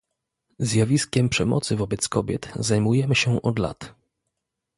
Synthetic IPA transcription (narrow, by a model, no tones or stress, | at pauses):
zjavʲiskʲɛmpʂɛmɔ̰t̪sɘvɔbɛt̪skɔbʲjɛ̰t̪zajmujɛmɘɕɛʔɔd̪la̰t̪